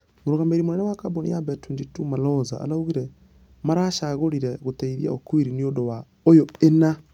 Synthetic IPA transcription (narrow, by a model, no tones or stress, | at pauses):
moɾoɣameɾimonɛnɛwakabonḭjabɛtund͡ʒitumalɔza̰a̰lauɣiɾɛ | maɾaʃaɣoɾiɾɛɣotaiðija̰okwiɾiniodowa | ojoena